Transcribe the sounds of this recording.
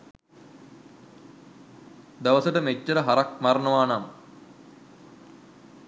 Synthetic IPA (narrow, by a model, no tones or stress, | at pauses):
d̪ɐʋɐsɐʈɐmet͡ɕːɐɾɐɦɐɾɐk̚mɐɾɐɳɐʋaːnam